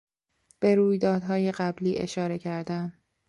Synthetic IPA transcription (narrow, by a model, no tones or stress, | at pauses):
b̥e̞ɾuːjd̪ɒːd̪ɦɒːje̞ɢæbliːʔe̞̰ʃɒːɾe̞cʰæɾd̪æm